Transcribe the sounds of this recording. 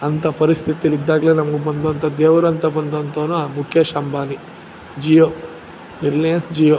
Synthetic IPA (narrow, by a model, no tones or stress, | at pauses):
ɐnt̪ɐpɐɾist̪ʰit̪ijɐlid̪ːaːɡɐleːnɐmɐɡubɐnd̪ɐnt̪ɐd̪ɛːʋuɾɐnt̪ɐbɐnd̪ɐnt̪oːnuamukʰjɐʃɐmbʱaːni | d͡ʒiːjoː | niɾlijɐnsd͡ʒiːjoː